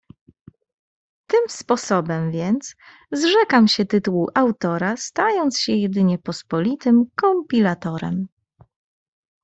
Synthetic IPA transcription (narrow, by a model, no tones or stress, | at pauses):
t̪ɘmspɔsɔbɛmvʲjɛnt̪s | zʐɛkamɕɛt̪ɘt̪uwuʔawt̪ɔɾast̪ajɔnt̪sɕɛjɛd̪ɘɲɛpɔspɔlʲit̪ɘmkɔmʲpʲilat̪ɔɾɛ̰m